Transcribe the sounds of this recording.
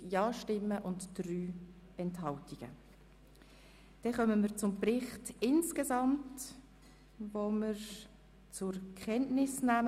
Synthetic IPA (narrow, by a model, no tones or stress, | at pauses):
jɑːʃtɪmːəʔʊntd̥ryː | ɛnthɑltiɡ̥ə̰ | d̥ɛχœməməɾt͡sʊmprɪχtɪnskezɑmt | voməɾ | t͡sʊɾkχɛntnɪsnæːm